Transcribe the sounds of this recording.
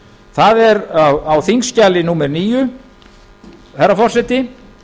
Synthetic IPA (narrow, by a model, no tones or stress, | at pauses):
θaðɛɾawawθiŋscalɪnuːmɛɾniːjʏ | hɛɾːafɔrsɛt̪ɪ